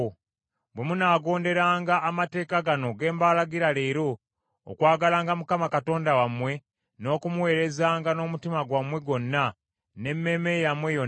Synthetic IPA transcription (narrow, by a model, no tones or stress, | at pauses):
bwe̞munaːɡo̞ːnde̞ɾaːŋɡaːmate̞ːkaɡano̞ɡe̞ːmbalaɡiɾaleɾo̰ː | kwaːɡalaːŋɡamukamakato̞ːndawamwe̞ | no̞ːkumuwe̞ːɾe̞zaːŋɡano̞mutimaɡwamwe̞ɡo̞nːa | ne̞mːe̞ːme̞jamwejo